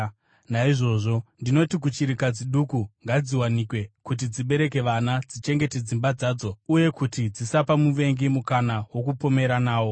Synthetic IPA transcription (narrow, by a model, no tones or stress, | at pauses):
naiʐo̞ʐo̞ndino̞tik̬ut͡ʃiɾikad͡ziɗukuŋɡad͡ziwanikwe̞kut̬id͡ziɓe̞ɾe̞k̬e̞ʋanad͡zit͡ʃe̞ŋɡe̞ted͡zimbad͡zaːd͡zo̞uje̞kutid͡zisapamuʋe̞ŋɡimukanawo̞k̬upo̞me̞ɾanaːwo̞